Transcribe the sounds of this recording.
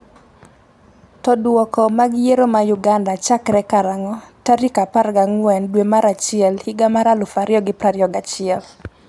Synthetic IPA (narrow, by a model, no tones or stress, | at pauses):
tɔdwɔkɔmaɡjeɾomajuɡandat͡ʃakɾɛkaɾaŋɔtaɾikaparɡaŋwɛndwemaɾat͡ʃɪɛlhiɡamaɾalʊfaɾjɔɡɪpɾaɾjɔɡat͡ʃɪɛl